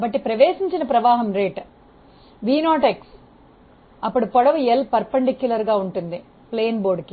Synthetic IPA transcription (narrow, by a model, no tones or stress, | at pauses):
bɐʈːipɾɐʋeːsiɲt͡ʃinɐpɾɐʋaːɦɐmɾeːʈ | ʋiːnaːʈeks | ɐpːuɽipɔɽɐʋuelpɐɾpːɐɳɖikːjulɐɾɡaːuɳʈund̪i | pleːnboːɾɖki